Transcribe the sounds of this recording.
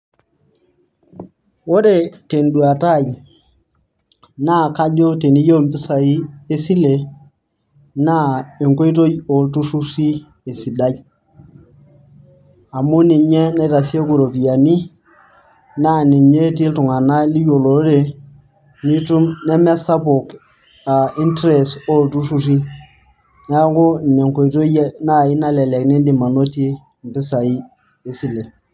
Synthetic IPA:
wo˦ɾe˨te˨ndu˨a˨ta˦˨j | na˦˨ka˦d͡ʒo˦te˨ni˦jo˦˨mpɪ˦sa˨i˦e˦si˦le˨ | na˦e˨ŋko˦i˦t̬o˦jo˨ltu˦su˦si˦ | e˨si˨da˦j | a˨mu˦ni˨ɲɛ˦na˦jta˨si˦e˦ku˨ɾo˨pi˨ja˨ni˦ | na˦˨ni˨ɲe˦t̬i˦ltʊ˨ŋa˨na˦li˦jo˨lo˨˦ɾe˨ | ni˦tu˦nɛ˦mɛ˦sa˦po˨k | a˨i˦ntɾɛ˨so˦˨ltu˦su˦ri˦ | na˦kʊ˦˨nɛ˨ŋko˨i˨to˦jna˦˨ɪ˦na˦lɛ˨lɛ˨knɪ˦ndɪ˨ma˨no˦ti˦ | m˨pɪ˦sa˨i˦ | e˦sɪ˨lɛ˨

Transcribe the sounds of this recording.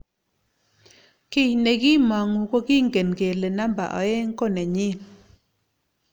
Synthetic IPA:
ke˦jne˨ɡi˦mɔ˨ŋu˨ko˦ki˦ŋɡe˨nɡe˨le˨na˦mba̰˨ʔɔ̰˨e˦ŋ˦ko˦˨nɛ˨ɲɪ˦˨n

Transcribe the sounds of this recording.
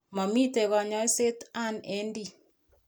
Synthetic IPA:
mɔ˨mi˦te˨ɣɔ˨ɲɔ˦e˦se˦ta˦˨ne˨˦ndi˦˨

